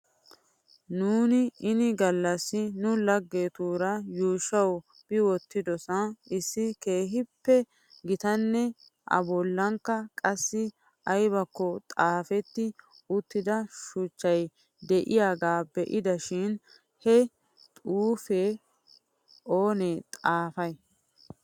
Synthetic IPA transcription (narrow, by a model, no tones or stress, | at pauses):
nuːnɪɪnɪɡɐlːɐsːɪnʊlɐɡːe̞ːt̪uːɾɐjuːʃɐw | b̥ɪwɔt̪ːɪd̪ɔsɐʔɪsːɪke̞ːɦɪpːɛ | ɡɪt̪ɐnːɛ | ʔɐ̰bɔlːɐŋkːɐkʼɐsːɪ | ʔɐjbɐkːɔt̪ʼaːfɛt̪ːɪ | ʊt̪ːɪd̪ɐʃʊt͡ʃːɐj | d̪ɛʔɪjaːɡaːbɛʔɪd̪ɐʃɪn | hɛ | t̪ʼuːfeː | ʔo̞ːnet̪ʼaːfɐj